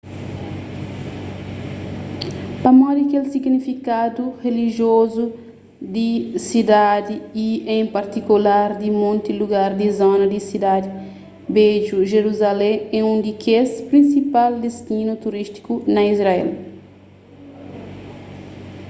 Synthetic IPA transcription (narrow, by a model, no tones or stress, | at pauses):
pɐmɔd̪ikelsiɡnifikad̪uheliʒiozu | d̪isid̪ad̪iiẽj̃paɾt̪ikulaɾd̪imõnt̪iluɡaɾd̪izonɐd̪isid̪ad̪i | beʒuʒeɾuzalẽɛũnd̪ikʰespɾĩnsipald̪est̪ĩnut̪uɾist̪i̥kunɐizɾaɛ̰l